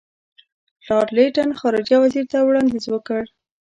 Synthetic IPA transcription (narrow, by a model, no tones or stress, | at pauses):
lɑɾleʈanxɑɾɪd͡ʒjawaziɾt̪awɽɑnd̪izwəkəɽ